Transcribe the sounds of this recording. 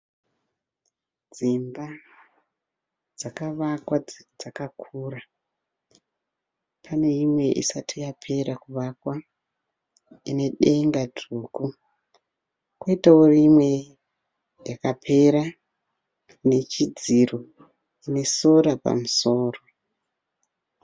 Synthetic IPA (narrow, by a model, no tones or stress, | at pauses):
d͡zimba | d͡zakaʋakwad͡zakakʰuːra | pʰane̞imwe̞ʔḭsatʰijapʰe̞ɾakuʋakwa | ine̞ɗe̞ŋɡadʱuːku | kwoitao̞rimwe̞ | jakapʰe̞ɾa | ne̞t͡ʃid͡ziro | ine̞so̞ɾapa̰muso̞ːro̞